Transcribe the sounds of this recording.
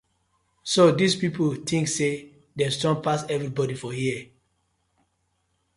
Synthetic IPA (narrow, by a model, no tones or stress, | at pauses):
sodispipotʰĩŋkse | dɛ̃stɔ̃npasɛvɹibɔdifɔhiə